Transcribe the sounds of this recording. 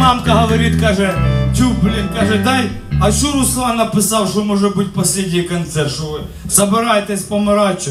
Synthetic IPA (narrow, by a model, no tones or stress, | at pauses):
ɑmkɐɦɔʋɔɾʲit̪kɑʒɛtʲublʲinkɑʒɛd̪ɑj | ɐt͡ʃɔɾʊslˠɑnːɐpɪsɑwʃɔmɔʒɛbʊtʲpɔsʲlʲedʲijikɐnt̪sɛrʃɔʋɪ | z̥ɐbɪɾɑjt̪ɛsʲpɔmɪɾɑt͡ʃːʊ